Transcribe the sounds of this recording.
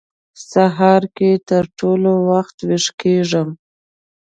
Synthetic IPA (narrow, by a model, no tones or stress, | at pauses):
saɦɑɾket̪əɾʈolowaxt̪wɪʂkeʐəm